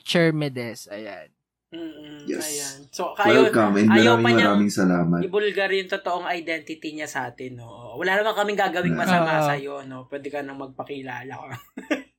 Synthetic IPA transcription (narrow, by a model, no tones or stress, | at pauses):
t͡ʃɛɹmɛd̪ɛsɐ̰ja̰n̩ː | jɛ̰sɐjansokɐʔjonkamʔɛndmɐjaːmɪɐmɐɾaːmɪŋsɐlaːmɐʔɪbʊlɡɐɾjʊŋt̪ot̪oʔoŋɐjd̪ɛnt̪ɪt̪iɲasɐʔaːt̪ɪno̰ʔowɐlaːnɐmɐŋkɐmɪŋɡaːɡɐwɪŋmɐsɐmasɐjo̞no̞pwɛːd̪ɛkɐnɐŋmɐɡ̚pɐkɪlaːlɐkɐ